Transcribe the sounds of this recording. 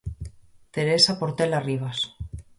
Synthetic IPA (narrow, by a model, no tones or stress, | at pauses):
t̪e̞ɾesapoɾt̪elariβ̞as